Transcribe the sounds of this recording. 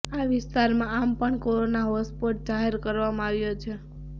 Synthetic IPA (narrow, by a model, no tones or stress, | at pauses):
aʋɪst̪aɾmãampəɳkoɾonaɦospoʈ̚d͡ʒaɦeɾkəɾʋamãaʋjot͡ʃʰe